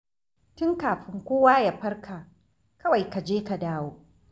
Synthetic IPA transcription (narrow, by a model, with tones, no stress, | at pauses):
tʊ˦ŋkaː˨ɸɪ˦ŋkʷoː˦waː˦ja˨ɸɐ˦rkʰa˨ | kɐ˦wa˨jka˨d͡ʒeː˦ka˨daː˦woː˦